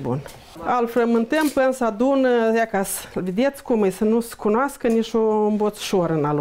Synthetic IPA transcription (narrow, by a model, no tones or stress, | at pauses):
bṵn | alfɾəmɨnt̪əmpɨnsad̪unjakaslved̪et̪sʲkumɨjsənuskunoaskənit͡ʃombot̪su̥ʃoɾɨnal